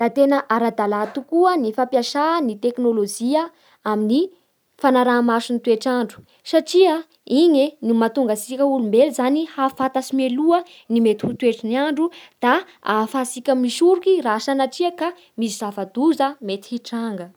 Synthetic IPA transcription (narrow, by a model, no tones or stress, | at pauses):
d̪̥at̪enəʔaɾad̪alat̪ukuənifapjaʃaːnit̪eknolod͡ʒiə | amini | fanaɾaːmaʃunit̪ueʈ͡ʂaɳɖ͡ʐu̥ | saʈ͡ʂia | iɲenimat̪uŋɡasikʲəulumbelzanihafat̪asimeluə | nimet̪i̥hut̪ueʈ͡ʂiniaɳɖ͡ʐud̪̥a | afasikʲamiʃuɾukirasanaʈ͡ʂiaka | misizafad̪̥uzəmet̪i̥iʈ͡ʂaŋɡə